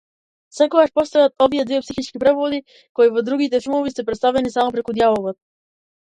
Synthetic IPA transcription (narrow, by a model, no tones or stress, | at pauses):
fsɛkɔɡaʃpɔst̪ɔjat̪̚ɔvijɛd̪viɛpsixit͡ʃkipɾɛpvɔd̪i | kɔivɔd̪ɾuɡit̪ɛfilˠmɔvisɛpɾɛt̪st̪avɛnisamɔpɾɛkud̪javɔlɔt̪